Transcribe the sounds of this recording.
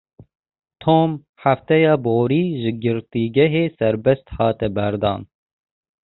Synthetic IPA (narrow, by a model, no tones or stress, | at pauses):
t̪ʰoːm | ħaft̪ɛjɑːboːɾiːʒɨɡɨɾt̪iːɡɛɦeːsɛɾbɛst̪hɑːt̪ɛbæɾd̪ɑ̰ːn